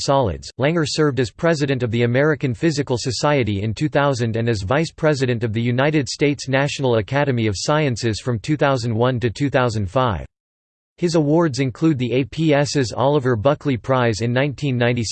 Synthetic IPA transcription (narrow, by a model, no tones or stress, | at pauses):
sɑlˠɪ̰dz̥læ̃ŋə˞sɜ˞vdɨz̥pʰɹ̥ɛzɨɾɨ̃ntʌvðiɨmɛɹɨkɨ̃nfɪzɨkl̩ˠsɨsaɪɨɾiɪ̃ntʰʉθaʊzɨ̃ndɨ̃nɨzvaɪspʰɹ̥ɛzɨɾɨ̃ntʌvðɨjʉnaɪɾɨd̥steɪtsnæʃn̩l̩ˠəkʰæɾɨmiʌv̥saɪɨ̃nsɨz̥fɹʌ̃mtʰʉθaʊzɨ̃n̩d̚wʌ̃ntɨtʰʉθaʊzɨ̃n̩d̥faɪv | hɨzəwɔɹdzɨ̃nkʰl̥ʉd̪̚ðieɪpʰiɛsɨzɑ̰lˠəvə˞bʌkʰlipʰɹ̥aɪzɨ̃nːãɪ̃ntʰĩnːãɪ̃ni